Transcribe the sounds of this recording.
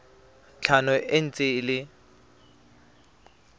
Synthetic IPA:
t͡ɬʰanʊʔen̩t͡sʼɪlɪ

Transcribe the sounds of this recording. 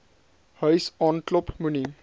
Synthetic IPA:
hʌjsɔnʈlopmuni

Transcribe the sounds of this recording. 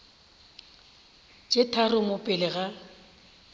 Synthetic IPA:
t͡ʃʼetʰarʊmʊpʼɪlɪɣa

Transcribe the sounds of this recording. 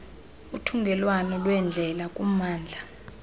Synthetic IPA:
utʰuŋɡʱɛlwanɔlwɛnd͡ɮʱɛlakʼumaːnd͡ɮʱa

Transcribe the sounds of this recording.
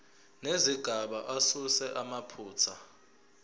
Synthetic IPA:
neziɡ̥ʱaɓaʔasusɛʔamapʰuːt͡sʰa

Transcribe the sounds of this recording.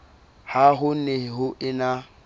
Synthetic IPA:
haɦʊnehɪɦʊʔɪna

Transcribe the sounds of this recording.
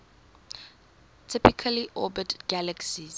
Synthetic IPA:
tʰɪpikʰəliʔɔbətɡ̥aləksiz̥

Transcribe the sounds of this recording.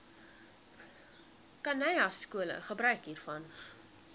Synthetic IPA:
kɐnɛjɐsːkuələ̰χəbɾœɥkɦiːrfɐn

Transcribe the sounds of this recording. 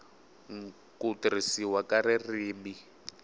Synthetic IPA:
ŋ | kutrisiwakaɾiriːmbi

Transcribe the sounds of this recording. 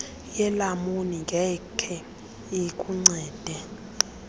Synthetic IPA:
jɛlamoniŋɡʱɛkʰɛ | ikʼuŋ͡ǀɛːd̥ʱɛ

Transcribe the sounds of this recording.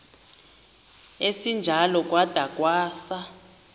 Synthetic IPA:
esind͡ʒʱalɔk̬ʼwad̥ʱakʼwaːsa

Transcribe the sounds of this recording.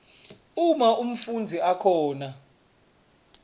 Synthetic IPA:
umaum̩fund͡zʱiakʰɔːna

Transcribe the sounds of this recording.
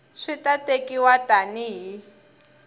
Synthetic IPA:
ʂitatekiwatʼaniɦi

